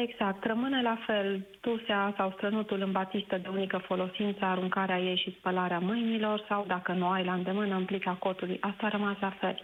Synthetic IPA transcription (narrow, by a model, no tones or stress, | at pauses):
e̞ɡz̥ak̚t̪rəmɨnəlafe̞ld̪̥useasawst̪ɾənut̪ulɨnbat̪ist̪əd̪e̞unikəfo̞lo̞sint̪səaɾuŋkaɾeaje̞jʃispəlaɾeamɨjnilo̞rsawd̪akənuajlaɨnd̪e̞mɨnəɨmplikako̞t̪ulujʔast̪aːɾəmaslafe̞l